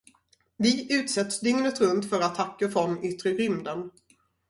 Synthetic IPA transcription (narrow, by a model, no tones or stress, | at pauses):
vɪʔʉ̟ːt̪sɛt̪ːsd̪ʏŋnət̪ɾɵnt̪fœɾat̪ʰakːəfɾɔnʏt̪ɾəɾʏmd̪ən